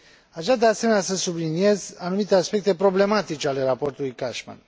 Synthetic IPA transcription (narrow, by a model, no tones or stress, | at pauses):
aʃad̪e̞ase̞me̞nʲasəsublinije̞zanumit̪e̞aspe̞k̚t̪e̞pɾo̞ble̞mat̪it͡ʃeale̞ɾapo̞rt̪ulujkaʃma̰n